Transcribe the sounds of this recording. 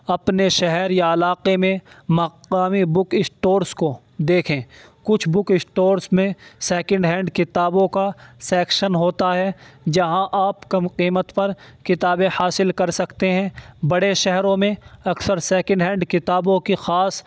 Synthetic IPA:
ɐpneʃɛɦɛɾjaɐlaːqemẽmɐqaːmibʊkɪsʈoːɾsko | d̪eːkʰẽːkʊt͡ʃʰbʊkɪsʈoːɾsmẽsɛːkə̃ɳɖɦɛ̃ːɳɖkɪt̪aːbõkasɛːkʃənɦoːt̪aɦɛd͡ʒɐɦãʔaːpkɐmqiːmət̪pɐɾkɪt̪aːbẽhaːsɪlkɐɾsɐkt̪eɦɛ̃bɐɽeʃɛɦɾõmẽɐksəɾsɛːkə̃ɳɖɦɛ̃ːɳɖkɪt̪aːbõkixaːs

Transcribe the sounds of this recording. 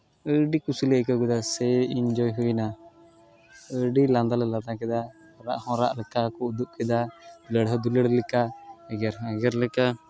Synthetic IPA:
əɖikusulɛəkaɡud̪asɛind͡ʒɔjɦuina | əɖiland̪alɛlad̪ãkɛd̪a | ɾa̰ʔhɔ̃ɾa̰ʔlɛkakɔud̪up̚kɛd̪ad̪̥uləɽɦɔd̪uləɽlɛkaɛɡɛɾɦɛɡɛɾlɛka

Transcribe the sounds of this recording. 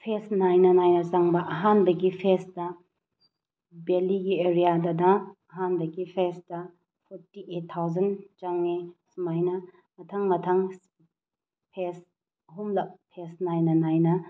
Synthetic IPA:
pʰesnajnɐnajnɐzaŋbɐʔɐɦanbɐɡipʰestɐ | beliɡieɾijadɐdɐː | ɦanbɐɡipʰestɐ | pʰɔɾtiʔetʰːawzɐnt͡ʃɐŋnisumajnɐ | mɐtʰɐŋmɐtʰɐŋs | pʰes | ɐɦumlɐk̚pʰesnajnɐnajnɐ

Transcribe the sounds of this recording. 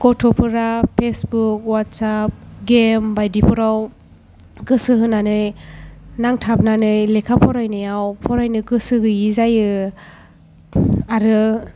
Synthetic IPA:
kɔtʰɔpʰɯɾapʰesbuk̚wat̚sap̚ɡembajdipʰuɾaw | ɡɯsɯɦɯnːanɯj | naŋtʰap̚nanɯjlekʰapʰɔɾajnɯjawpʰɔɾajnɯɡɯsɯɡɯjizajɯ | aɾɯ

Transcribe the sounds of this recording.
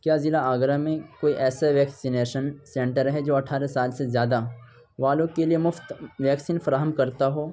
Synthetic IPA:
kjaːzɪlaaːɡɾamẽkoːiʔɛːsaʋɛːksineːʃənsɛ̃ɳʈəɾɦɛd͡ʒoːɐʈʰaːɾesaːlsezjaːd̪a | ʋaːlõkeliemʊft̪ʋɛːksiːnfɾaːɦəmkɐɾt̪aɦoː

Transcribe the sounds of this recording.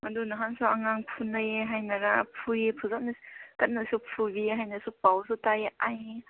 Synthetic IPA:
madunaɦansuaŋaŋpʰunajɦajnaɾapʰujepʰuzak̚nikɐt̚nasupʰubiɦajnasupawsutajʔaj

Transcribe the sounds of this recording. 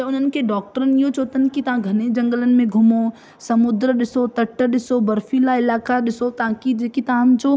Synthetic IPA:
t̪ɐʊn̤ənɪ̆kʰeɖɔːk̚ʈəɾənɪ̆iɦot͡ɕoːt̪ənɪ̆kit̪ɐʋ̤ãɡʱɐned͡ʑɐ̃ŋɡələnɪ̆mẽɡʱʊmo | sɐmʊd̪ɾəɗɪsot̪ɐʈːəɗɪsobɐɾfilaɪlaːkaɗɪsot̪ɐãkid͡ʑeːkit̪ɐʋ̤ãd͡ʑoː

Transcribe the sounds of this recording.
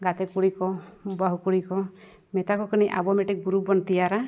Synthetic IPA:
ɡat̪ekuɽikɔbaɦukuɽikɔ | met̪akɔkiniʔa̰bɔmeʈik̚buɾubɔnt̪ijaɾa

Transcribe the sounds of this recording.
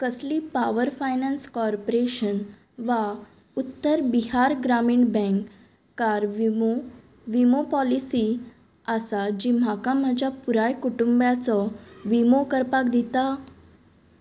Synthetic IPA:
kəslipaʋəɾfajnanskɔɾpoɾeɕən | ʋa | ut̪ːəɾbiɦaɾɡɾamiːɳbɛ̃kː | aɾʋo | ʋimopɔlisi | asad͡ʑim̤akãm̤əd͡ʑapuɾajkuʈumbjat͡sɔʋimokəɾpakd̪it̪a

